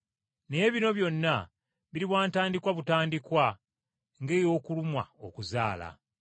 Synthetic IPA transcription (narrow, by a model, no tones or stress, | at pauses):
ne̞ːβino̞βjo̞nːa | βiɾiβwaːntaːndikwaβutaːndikwa | ŋɡeːjo̞ːkulumwa̰o̰kuzaːla̰